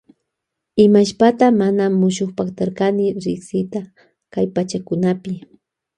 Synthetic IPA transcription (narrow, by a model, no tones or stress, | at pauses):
ɪmaʃpat̪amanamʊʃʊxpakt̪aɾkanɪɾɪksɪt̪a | kajpat͡ʃakʊnapɪ